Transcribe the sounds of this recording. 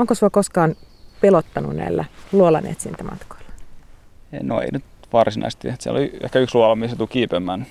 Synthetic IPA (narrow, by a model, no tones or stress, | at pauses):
oŋkosuɑkoskɑːnpelot̪ːɑnṵnnæ̰ilːæluolɑnḛːt̪sinlt̪æmʔɑ̰t̪ko̥ilːɑ̥ | noḛinyt̪ʋɑrsinɑ̰ist̪it̪siæ̰lo̰liḛhkæyksluolɑmisset̪ukiːpemːæːn